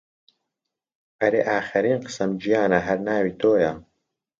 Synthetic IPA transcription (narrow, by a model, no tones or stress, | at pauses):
ʔɐɾḛːʔaːxɪɾiːnqɨ̥sɐmd͡ʒijaːnɐɦɐɾnaːwiːt̪ʰoːjɐ